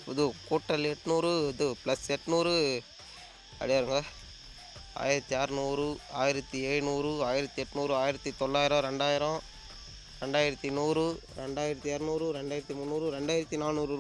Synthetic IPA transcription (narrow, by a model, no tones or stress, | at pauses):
pɔðɯkuːʈːɐlɛʈːɯnuːɾɯɐðɯplɐsɛʈːɯnuːɾɯ | ɐ̰ɽɛjaːɾɯŋɡɐ | a̰ːjɪɾɐt̪ːiaːɾɯnuːɾɯa̰ːjɪɾɐt̪ːiɛːɻɯnuːɾɯaːjɪɾɐt̪ːiɛʈːɯnuːɾɯaːjɪɾɐt̪ːit̪ɔɭːaːjɪɾõɾɛɳɖaːjɪɾõ | ɾɛɳɖaːjɪɾɐt̪ːinuːɾɯɾɛɳɖaːjɪɾɐt̪ːiɛːɾɯnuːɾɯɾɛɳɖaːjɪɾɐt̪ːimʊnːuːɾɯɾɛɳɖaːjɪɾɐt̪ːinaːlnuːɾɯ